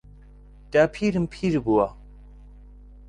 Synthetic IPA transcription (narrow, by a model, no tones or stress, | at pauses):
d̥aːpʰiːɾɨmpʰiːɾibuwa